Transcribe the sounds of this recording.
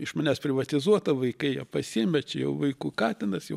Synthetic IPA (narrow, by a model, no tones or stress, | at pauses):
ɪʃmɐnʲæːspʲɾʲɪʋɐt̪ʲɪzuɔt̪ɐʋɐɪkɐɪjɛpɐsʲɪmʲɛt͡ʃʲɛjɛ̰ʊʋɐɪkuːkɑːt̪ʲɪnɐsjɛ̰ʊ